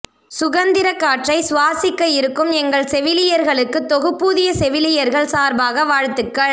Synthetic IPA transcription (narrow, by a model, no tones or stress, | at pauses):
sʊɣɐnd̪ɪɾɐkːaːʈrɐɪsʋaːsɪkːɐjɪɾɯkːɯmɛŋɡɐɭsɛʋɪlɪjɐɾɣɐɭɯkːɯt̪ːɔɣɯpːuːðɪjɐsɛʋɪlɪjɐɾɣɐɭsaːɾbaːɣɐʋaːɻt̪ːɯkːɐɭ